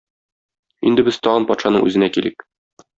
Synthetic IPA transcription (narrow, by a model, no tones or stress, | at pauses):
ind̪ɘbɘz̥t̪ɒʁɑnpɒt̪ʃɑnɤ̰ŋʔʉ̰zɘ̆nækilɘk